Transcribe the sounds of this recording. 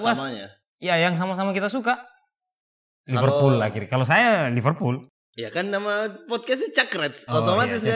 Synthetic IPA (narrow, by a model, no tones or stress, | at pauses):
bas | jajaŋs̬amasamakit̪asuka | livərpulːakiɾkalos̬ajalivərpul | jakanːamapɔd̪̚kɛst͡ʃakɾɛt̪sot̪omat̪ɪsa